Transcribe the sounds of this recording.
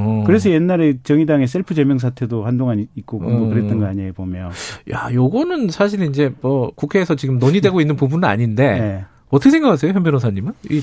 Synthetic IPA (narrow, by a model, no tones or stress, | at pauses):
kɯɾe̞s̬ʰʌjenːaɾe̞t͡ɕʌŋidaŋes͈ʰeɭpʰɯd͡ʑe̞mjʌŋs̬ʰatʰe̞dohandoŋanit̚k͈okɯndokɯɾe̞t͈ʌnɡʌaɲeebomjʌja̰joɡʌnɯnsʰaɕ̬ʰiɾind͡ʑe̞mʌkukʰe̞ːsʰʌt͡ɕiɡɯmnoɲidwe̞ɡoinːɯnpubunɯna̰ɲinde̞ne̞ | ʌt͈ʰʌkʰesʰeɡakʰas̬ʰejoçjʌnbjʌnosʰaɲimɯni